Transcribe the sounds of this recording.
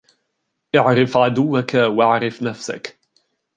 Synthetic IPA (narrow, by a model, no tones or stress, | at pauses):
ʔɪʕɾɪfʕad̪ʊwːakawaʕɾɪfnafsa̰k